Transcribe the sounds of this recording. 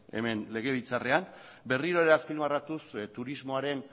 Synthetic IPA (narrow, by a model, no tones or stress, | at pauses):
e̞̰me̞nle̞ɣ̞e̞β̞it͡sare̞am | be̞riɾo̞eɾaspilmarat̪ust̪uɾizmo̞aɾe̞n